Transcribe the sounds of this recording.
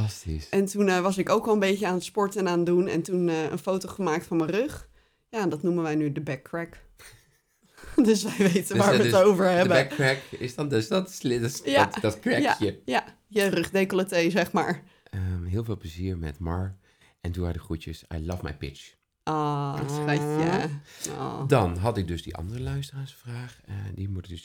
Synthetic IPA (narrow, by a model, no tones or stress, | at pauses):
ɑstḭsɛntunʋɑsɪkowkʋɔlˠənbejcəaːnətspɔɹtɛnaːnədunɛ̰ntunəə̰nfowtoχəmaːk̚tfɔnmərøχ | jaɛndɑtnumənʋɛjnydəbɛkːɹɛk | døsʋɛjʋejtənʋaːɹʋəowvəɹɦɛəbəɛkɹɛkɪsdɔndøsdɔtslɪjatdɔtkɹɛjkajəja | jərɵχdekələtejzɛχmaːɹ | əɦɪːlˠvɪːlˠpləziːɹmɛ̰tmɑɹ | ɛnduɛ̰jdəχutjəsa̰jlɑfmɛ̰jpɪ̰t͡ʃ | ʔoːtsɛjao̰dɑnɦɑtɪk̚dɵsdiʔɑ̰ndərəlœɥstəraːɹsfraːχdimutds